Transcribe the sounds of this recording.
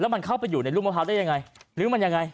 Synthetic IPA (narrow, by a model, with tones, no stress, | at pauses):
lɛː˨˦ma˨˩nxʰaː˧˦˥wpa˧juː˨˩na˨˩lu˧ŋm˧˩ɦaː˨˩aː˧jɲaː˧˩ŋa˨˩jlɨ˨˦ma˨˩ɲaː˨˧˩ŋa˨˧˩j